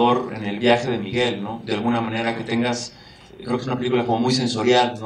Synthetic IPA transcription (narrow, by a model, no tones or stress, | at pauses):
o̞ɾḛne̞lβjaxe̞ðe̞miɣe̞lno̞ðealɣunamãne̞ɾake̞t̪e̞ŋɡas | kɾekesunapelikulako̞mo̞mujs̬e̞nso̞ɾjalno